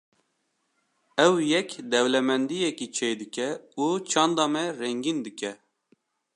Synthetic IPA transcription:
ɛwjɛkd̪ɛwlɛmɛnd̪ijɛkit͡ʃʰejd̪ɨkɛut͡ʃʰɑːnd̪ɑmɛrɛŋɡind̪ɨkɛ

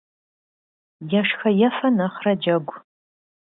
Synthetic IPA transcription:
jɐʂxɐjɐfɐnɐχrɐd͡ʒɐɡʷʼ

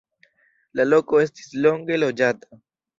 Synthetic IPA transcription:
lalo̞ko̞e̞sti̥slo̞ŋɡe̞lo̞d͡ʒata

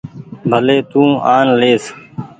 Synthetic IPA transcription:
bʱəleːt̪ũːaːnleːs

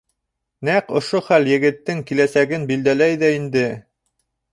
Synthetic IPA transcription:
næqŏʃoχæljɘ̆ɡɘ̆t̪ːɘŋkilæsæɡɘnbild̪ælæjðæind̪ɘ

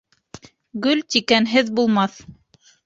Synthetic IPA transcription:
ɡɵlt̪ikænɦɘðbulˠmɑθ

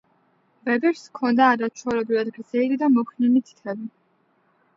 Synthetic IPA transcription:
vɛbɛɾskʰɔnd̪aːɾat͡ʃʰɔɾɛbɾivad̪ɡɾd̪zɛiɾid̪amɔkʰninit̪ʰi̥t̪ʰɛbi

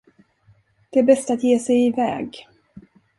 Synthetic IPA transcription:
d̪̥ɛæɾbɛst̪at̪jeːsɛjɪvɛ̰ːɡ

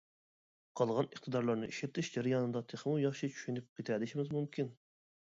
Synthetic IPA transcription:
qʰɑlˠʁɑnəχt̪ʰɨd̪ɑɾlˠɑɾnɨʔiʃɪɾt̪ɪʃd͡ʒæɾɪjɑnɨd̪ɑt̪ʰeχmujɑχʃit͡ʃʰy̥ʃynɪp̚qʰʲet̪ʰæd̪ɪʃimɪzmumkʲin

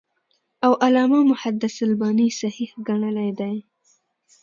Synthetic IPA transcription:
awʔalɑmamʊħad̪asalbɑnisahihɡaɳəlajd̪aj

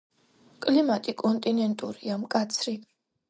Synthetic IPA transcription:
kʼlimat̪ʼikʼɔnt̪ʼinɛnt̪ʼuɾiamkʼat̪sʰɾi

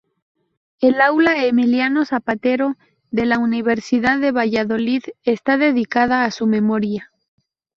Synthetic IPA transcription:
elawlaemiljano̞sapat̪e̞ɾo̞ | ðe̞launiβ̞e̞ɾsiðaðe̞β̞aʝaðo̞liðe̞st̪aðe̞ðikaðaːsume̞mo̞ɾja

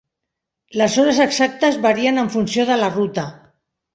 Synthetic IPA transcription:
ləsoɾazəksak̚t̪əzβaɾiənəɱfunsioðəlarut̪a

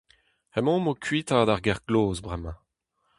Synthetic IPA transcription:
ɛmɔ̃mokʰɥiːt̪ad̪aʁɡɛʁɡloːzbʁɛmɑ̃

